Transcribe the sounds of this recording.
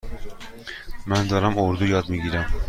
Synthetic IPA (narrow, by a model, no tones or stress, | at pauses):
mænd̪ɒɾamoɾd̪ujɒd̪miɡʲiɾam